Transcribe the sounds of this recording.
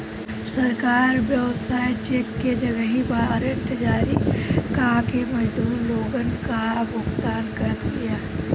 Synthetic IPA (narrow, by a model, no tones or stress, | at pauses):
sɐɾkaːɾbjəʋsaːjt͡ʃeːkːed͡ʒəɡəɦĩbaːɾənʈʰəd͡ʒaːɾikakemɐd͡ʒd̪uːɾloːɡənkabʊkt̪aːnkɐɾət̪ɡijaː